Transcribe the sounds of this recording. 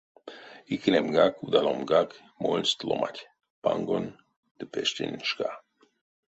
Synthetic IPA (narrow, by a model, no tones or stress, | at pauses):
iknʲemɡakud̪alomɡak | molʲst̪lomʔa̰tʲ | paŋɡon | d̪̥əpɛʃt̪ʲḛnʃka